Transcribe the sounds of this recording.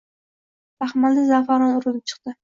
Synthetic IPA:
t̪ʰaχmald̪ɪzafaɾɒnʊɾɪlɪp̚t͡ʃʰɨ̥qt̪ɪ

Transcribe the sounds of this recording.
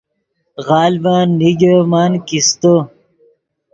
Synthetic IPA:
ɣɑːlbãnːiɡemaːnkist̪o

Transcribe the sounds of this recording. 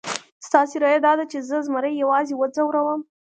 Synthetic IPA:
st̪ɑseɾɑjad̪ɑd̪at͡ʃezəzməɾəjːawɑzewəd͡zawɾawəm

